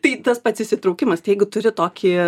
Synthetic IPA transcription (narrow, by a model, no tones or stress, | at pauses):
t̪ɐɪt̪ɐspɐt̪ʲsʲɪsʲɪt̪ɾɐʊkʲɪmɐst̪ɐɪjɛɪɡʊt̪ʊɾʲɪt̪oːkʲɪ